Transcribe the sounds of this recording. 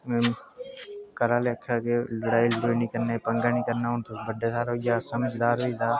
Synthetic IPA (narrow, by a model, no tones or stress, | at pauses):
kəɾaːleəkʰːaːkeləɽaːilɾoːniːkəɾnaːpəŋɡaːnikəɾnaːʊnt̪ʰobəɖʱeːsaːɾɦoːijaːsəməd͡ʒd̪aːɾoid̪aː